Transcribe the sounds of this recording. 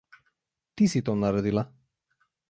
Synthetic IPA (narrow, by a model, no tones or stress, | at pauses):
t̪isit̪ɔnaɾɛd̪ilˠa